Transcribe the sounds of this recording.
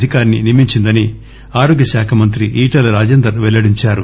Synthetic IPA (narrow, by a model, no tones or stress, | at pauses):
d̪ʱikaːɾninimiɲt͡ʃind̪ɐni | aːɾoːɡjɐʃaːkʰɐmɐnt̪ɾiʔiːʈɐlɾaːd͡ʒeːnd̪ɐɾʋɛlːɐɽiɲt͡ʃaːɾu